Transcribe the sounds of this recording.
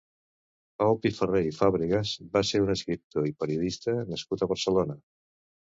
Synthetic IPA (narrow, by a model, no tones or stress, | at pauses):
pawlˠp̪ifərejfaβɾiɣəzbaseɾunəskɾip̚t̪oipəɾiuðist̪ənəskut̪əβəɾsəlonə